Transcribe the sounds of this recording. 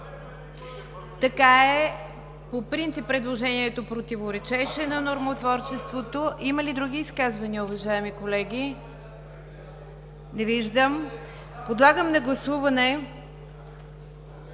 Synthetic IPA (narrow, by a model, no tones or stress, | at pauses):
t̪ɐkaɛ | popɾint̪sipːɾɛd̪lˠoʒɛniɛt̪opɾot̪ivoɾɛt͡ʃɛʃɛnɐnoɾmot̪vɔɾt͡ʃɛst̪vot̪oʔimɐlid̪ɾuɡ̟ʲiːskazvɐniəʊvɐʒaɛmikolɛɡʲi | nɛviʒd̪əm | pod̪lˠaɡəmnɐɡlˠɐsuvɐnɛ